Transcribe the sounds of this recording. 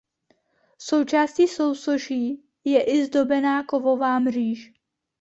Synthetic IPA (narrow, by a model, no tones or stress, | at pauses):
so̞wt͡ʃaːsciːso̞wsoʒiː | jɛʔɪzdo̞bɛnaːko̞vovaːmr̝iːʃ